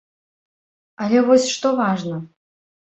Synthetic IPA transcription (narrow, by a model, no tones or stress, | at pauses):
ɐlʲɛvɔsʲʂt̪ɔvaʐnɐ